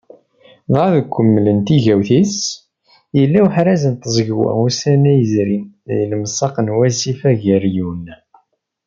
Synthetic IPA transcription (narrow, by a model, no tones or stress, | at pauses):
ðɑðkʷːəmːələnt̪iʝæwθis | jəlːæwħɾæzənt̪əzˤɡwæ̰usænæjəzɾin | jələmsˤɑqənwæsifæʝəɾjunːæ